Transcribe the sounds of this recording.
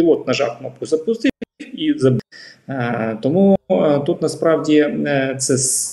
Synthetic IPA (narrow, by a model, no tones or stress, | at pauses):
ɪlˠɔt̪̚nɐʒɑ̰kmɔpkʊzɐpʊst̪ɪizɐb | t̪ɔmut̪ut̪nɐspɾɑwdʲit̪sɛs